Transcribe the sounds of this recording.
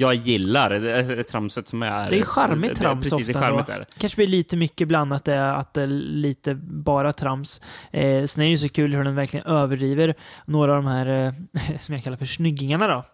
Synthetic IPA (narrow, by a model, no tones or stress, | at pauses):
jɑːɡjɪlːaɾdt̪ʰɾamsət̪sɔmæɾd̪ɛæjɧaɾmɪt̪ʰːɾamɔft̪aɾmɪt̪æ̰ɾkʰanʂəblɪɭiːt̪əmʏkːəbland̪at̪̚d̪ɛa̰t̪̚d̪ɛliːt̪əbɑːɾat̪ʰɾams | sɛnæɾjʏs̬ɔkʰʉ̟ːlhɵɖɛnvæɾklɪɡə̰nøːvəɖɾiːvəɾnoːɾaːvd̪ɔmɦæːɾ | sɔmjakʰalːaɾfœʂnʏɡːnɪŋaɳad̪ɔ